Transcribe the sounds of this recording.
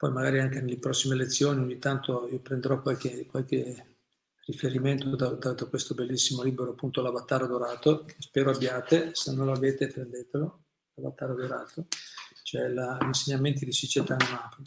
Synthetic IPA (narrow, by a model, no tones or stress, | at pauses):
pɔjmaɡaːɾiaŋkenelepɾɔsːimelet̪sːjoːnioɲːit̪ant̪oiːopɾend̪eɾɔkwalkekwalke | rifeɾiment̪od̪ad̪ad̪akwest̪obelːisːimoliːbeɾoapːunt̪oalabat̪ːaːɾad̪oɾaːt̪okʰespɛːɾoabjaːt̪esenːõnloaveːt̪epɾend̪eːt̪elo | labat̪ːaːɾad̪oɾaːt̪ʰot͡ʃoɛlaʎinseɲːament̪id̪isit͡ʃet̪anomaːpo